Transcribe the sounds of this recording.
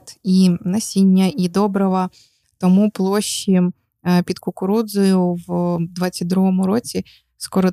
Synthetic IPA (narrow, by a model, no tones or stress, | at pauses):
t̪inɐsʲinʲːɐid̪ɔbɾɔʋɐ | t̪ɔmuplˠɔʃːi | pʲid̪kʊkʊɾud̪zɔjʊwd̪ʋɑt͡sʲːɐt̚ʲd̪ɾuɦɔmʊɾɔt͡sʲi | skɔɾɔ